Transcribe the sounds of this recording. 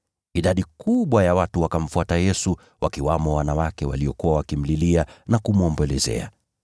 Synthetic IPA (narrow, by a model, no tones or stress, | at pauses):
iɗaɗikuɓwajawatuwakam̩fuatajɛsu | wʔakiwamɔwanawakɛwaliɔkuwawakim̩lilianakumuɔmbɔlɛzɛ̰a̰